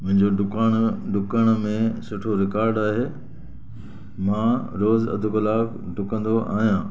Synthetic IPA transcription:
mʊ̃ɦɪ̃ɲd͡ʑoɖʊkaːnɖʊkəɽ̃mẽsʊʈʰoɾɪkaːɾɖaːɦeː | mãɾoːzɐ̰d̪ʱʊkəlaːk | ɖʊkə̃nd̪oʔa̰ːɦijãː

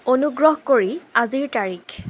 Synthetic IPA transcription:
onuɡɹɔɦkoɹiaziɹtaɹikʰ

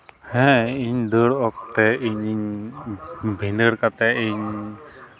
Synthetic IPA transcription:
hɛ̃iɲd̪əɾɔk̚t̪ɛiɲɲ | bʱind̪əɾkat̪ɛiɲ

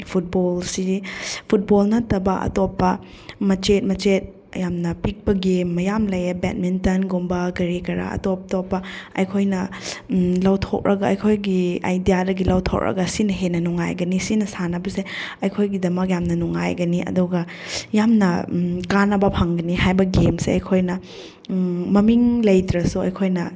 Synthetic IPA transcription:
pʰut̚bolsipʰut̚bolnɐtːɐbɐʔɐ̰topːɐ | mɐt͡ʃet̚mɐt͡ʃet̚ | jamnɐpik̚pɐɡemːɐjamlɐjɐbɛ̰t̚mintɐnɡombɐɡɐɾikɐɾɐ̰ɐ̰top̚topːɐɐ̰jkʰojnɐ | lɐwtʰok̚ɾʔɐɡɐɐjkʰojɡia̰jdijadɐɡilɐwtʰo̰k̚ɾɐ̰ɡɐsinɐɦenɐnuŋa̰jɡɐnisinɐsanɐbɐseɐjkʰojɡidɐmɐk̬̚jamnɐnuŋa̰jɡɐniʔɐ̰duɡɐ | jamnɐkanɐbɐpʰɐŋɡɐniɦajbɐɡemseɐjkʰojnɐ | mɐmiŋlɐjtɾɐsuɐjkʰojnɐ

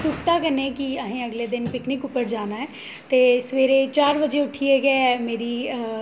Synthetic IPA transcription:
sʊkʈ̪akɐnẽkiɐɦẽɐɡled̪ɪnpɪknɪkʊpəɾd͡ʒaːnaɦɛː | t̪esʋeːɾet͡ʃaːɾbɐd͡ʒeʊʈʰieɡɐemeːɾi

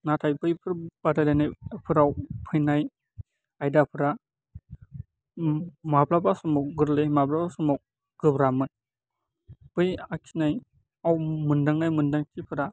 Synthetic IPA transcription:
natʰajpɯjpʰɯɾbadalajnajpʰɯɾawpʰɯjnaj | ajdapʰɯɾa | mablabasɔmɔwɡɯɾlɯmablabasɔmaw̚ | ɡ̥ɯbɾamɯn | b̥ɯjakʰinaj | awmɯndaŋnajmɯndaŋtʰipʰɯɾa

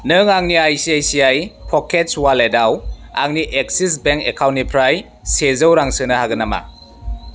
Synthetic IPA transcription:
nɯŋaŋniajsiajsiajpʰɔkʰet̚swaledawa̰ŋniʔek̚sis̬beŋkḛkʰawnːipʰɾaj | sezɯwɾaŋsɯnɐhaɡɯnama̰

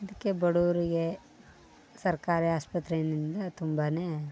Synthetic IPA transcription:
ɐd̪ikːebɐɽuːɾiɡe | sɐɾkaːɾiaːspɐt̪ɾenind̪ɐt̪umbɐne

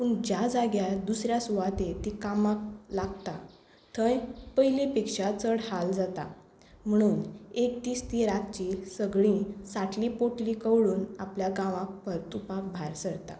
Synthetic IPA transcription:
puɳd͡ʑjad͡zaɡjad̪usɾjasuʋat̪et̪ikamaklaɡt̪a | t̪ʰə̃jpəɦilipikʂat͡səɽhald͡zat̪a̰ | m̤əɽ̃uːnek̚t̪iːst̪iɾat̪̚t͡ɕiːsəɡɭĩsaʈʰlipoʈlikəʋɽuːnapljaɡãʋãk̚pəɾt̪upabʱaɾsəɽt̪a̰

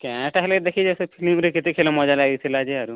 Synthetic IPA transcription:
kɛ̃ʈaɦɛled̪ekʰid͡ʒɛsepʰilimɾekit̪ekʰelemɔd͡ʒalad̪it̪ʰilad͡ʒeaɾu

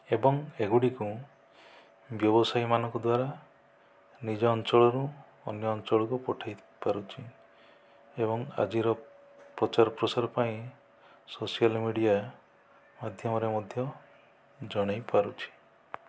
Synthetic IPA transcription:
ebɔŋeɡuɽiku | bjɔbɔsajmanɔŋkɔd̪waɾa | nid͡ʒɔːnt͡ʃɔɭɔɾu | ɔnjɔːnt͡ʃɔɭɔkupɔʈʰaj | paɾut͡ʃʰi | ebɔŋa̰d͡ʒiɾɔ | pɾɔt͡ʃaɾɔpɾɔsaɾɔpaĩ | sosialmiɽija | mad̪ʱjɔmɔɾemɔd̪ʱjɔ | d͡ʒɔɽ̃ajpaɾut͡ʃʰi̥

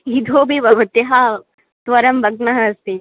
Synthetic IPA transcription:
id̪ʱoːbʱiʋɐʋɐt̪ɐɦa | t̪ʋɐɾɐmbɐɡ̚nɐɦɐst̪i

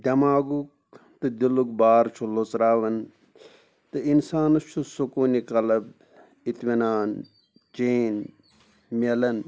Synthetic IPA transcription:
d̪ʲɐmaːɡuk̚ | t̪ɨd̪ilukbaːɾt͡ʃʰulot͡sɾaːʋɐn | t̪ɨinsaːnɐt͡ʃʰusukoːnikɐlɐb | it̪minaːn | t͡ʃeːn | mʲɐlɐn

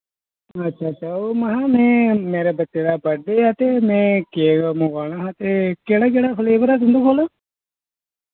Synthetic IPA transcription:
ətːʃʰaːt͡ʃaːomaɦãːmɛ̃ːmeːɾebətːed̪aːbəɖeat̪eːmɛ̃ːkeɡamʊɡaːɽ̃aːɦãːt̪eːkeːɽaːkeːɽaːpʰəleːbəɾaːsʊnd̪uːkʰoːlaː

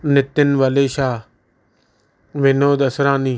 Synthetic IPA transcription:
nɪt̪ːɪnʋəleːʃaː | ʋɪnoːd̪əsɾaːniː

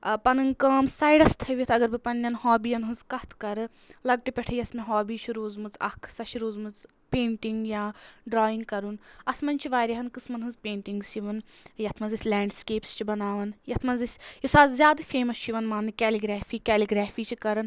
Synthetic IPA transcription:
pɐnɨnkɐːmsaːjɖɐst̪ʰɐʋit̪ʰɐɡɐɾbɨpɐnːɐnɦɔːbijɐnɦɨnzkɐht̪ʰkɐɾɨ | lɐɡ̚ʈipʲɛʈʰɐjɐsmeɦɔːbiːt͡ʃʰiɾoːzmɨzɐ̰kʰsɐʃiɾoːzmɨz | peːɳʈiŋɡjaːɖɾɔːiŋɡkɐɾunɐt̪ʰmɐnʲt͡ʃʰiʋaːɾʲɐɦɐnkɨsmɐnɦɨnzpẽːɳʈiŋɡsiʋɐnjɐt̪ʰmɐnzisʲlʲaːɳɖskeːpst͡ʃʰibɐnaːʋɐnjɐt̪ʰmɐnzisʲjisaːzzʲjaːd̪ɨfeːmɐst͡ʃʰiʋɐnmaːnɨkʲɛːliɡɾaːfiːkʲɛːliɡɾaːfiːt͡ʃʰikɐɾɨn

